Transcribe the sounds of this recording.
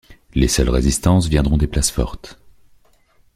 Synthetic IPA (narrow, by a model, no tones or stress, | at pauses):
lesœlʁezist̪ɑ̃svjɛ̃d̪ʁɔ̃d̪eplasfɔ̰ʁt̪